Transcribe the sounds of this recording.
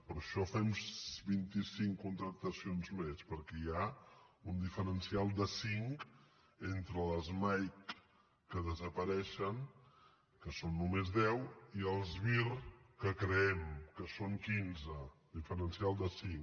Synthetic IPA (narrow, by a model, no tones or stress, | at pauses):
pəɾʃɔfɛmbint̪isiŋkkunt̪ɾək̚t̪əsionzmespəɾkɛjaund̪ifəɾənsialˠd̪əsiŋk | ent̪ɾələzmajkː | əðəzəpəɾɛʃəŋ | kəsonːumezðɛwiəlˠzβirkəkɾəɛmkəsoŋkinzəd̪ifəɾənsialˠd̪əsiŋk